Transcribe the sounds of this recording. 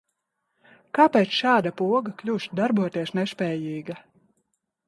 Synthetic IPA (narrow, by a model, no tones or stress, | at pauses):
kapɛːt̪sʃaːd̪apuɔɡaklʲuʃd̪aɾbuɔt̪iɛsnɛʃpʲɛːjiːɡa